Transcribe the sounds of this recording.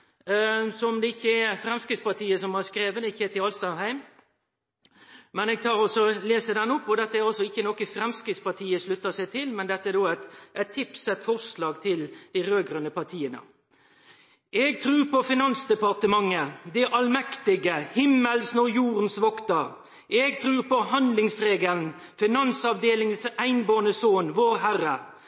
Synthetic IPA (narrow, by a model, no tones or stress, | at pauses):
sɔmd̪ɛɪçːəæfɾɛmskɾɪtspɑt̪ʰiːəsɔmhɑɾskɾeːʋənɪçːəɛt̪ɪɑlst̪ɑhæɪm | mɛnɛːɡ̚t̪ʰɑːɾɔsɔleːsəd̪ɛnːʊpːɔd̪ɛt̪ːəæɾɑlsɔɪçːənɔkəfɾɛmskɾɪt̪spɑt̪ʰiːəʂlʉt̪ːəsæɪt̪ʰɪlmɛnd̪ɛt̪ːəæd̪oːæɪt̪ʔæt̪ʰːɪpsɛt̪fɔʁslɑːɡt̪ʰɪld̪̥iɪɾøːɡɾœnəpɑʁt̪ʰiːənə̰ | ɛɡt̪ʰɾʉːɾpɔfɪnɑnsd̪ɛpɑʁt̪əmɑŋːəd̪ɛʔɑlmɛkt̪ɪɡəhɪmːəlsnɔjuːɾənsʋɔkt̪əɾ | ɛɡt̪ʰɾʉːɾpɔhɑnd̪lɪŋsɾeːɡəln | fɪnɑnsɑʋd̪eːlɪŋəsæɪnboːnəsoːnʋoːɾɦæɾə